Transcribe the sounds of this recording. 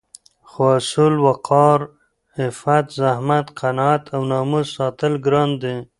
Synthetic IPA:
xwasulwaqʰɑɾ | hɪfat̪zahmat̪qanɑat̪ʰawnɑmuzsɑt̪əlɡɾɑnd̪e

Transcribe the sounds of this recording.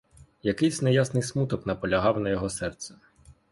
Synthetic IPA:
jɐkɪjsʲnɛjasnɪjsmut̪ɔknɐpɔlʲɐɦɑwnɐjɔɦɔsɛrt̪sɛ̥

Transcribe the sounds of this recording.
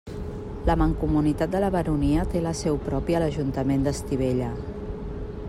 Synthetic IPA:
ləməŋkumunit̪at̪̚d̪ələβəɾuniət̪eləsɛwpɾɔpiələʒunt̪əmend̪əst̪iβ̞eʎə

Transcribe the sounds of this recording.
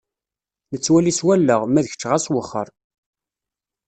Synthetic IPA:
nət͡sːwæliswælːəʁmæðəçə̥t͡ʃːʁaswəχːə̰ɾˤ

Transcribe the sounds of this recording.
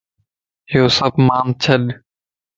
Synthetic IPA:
ɦɪjoːsəbmaːnt͡ʃʰəɗ

